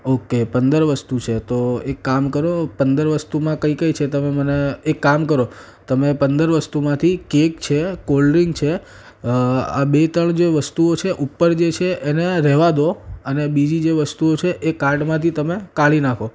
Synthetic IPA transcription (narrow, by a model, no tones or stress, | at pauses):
okepənd̪əɾʋəst̪ut͡ʃʰet̪oekːamkəɾopənd̪əɾʋəst̪umãkəikəit͡ʃʰet̪əmeməneekːamkəɾo | t̪əmepənd̪əɾʋəst̪umãt̪ʰikekt͡ʃʰekolɾiŋɡt͡ʃʰe | a̰bet̪əɳd͡ʒeʋəst̪uot͡ʃʰeʔupːəɾd͡ʒet͡ʃʰeʔeneɾɛɦʋad̪oənebid͡ʒid͡ʒeʋəst̪uot͡ʃʰeʔekaɾʈmãt̪ʰit̪əmekaɭinakʰo